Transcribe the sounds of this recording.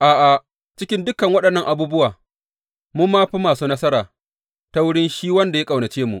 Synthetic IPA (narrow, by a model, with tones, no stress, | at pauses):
ʔaː˨ʔa˨ | t͡ʃɪ˦kʲɪ˦ndʊ˦kɐ˨ŋwɐ˦ɗɐ˨nːɐ˦ŋʔa˨buː˦bʊ˦waː˨ | mu˦mːaː˦ɸi˦maː˨suː˦nɐ˦sɐ˦ɾaː˨ | ta˦wʊ˦ɽɪ˦nʃiː˦wɐ˦nda˨ja˦kʼa˨wnɐ˨t͡ʃeː˦mṵ˨ʔ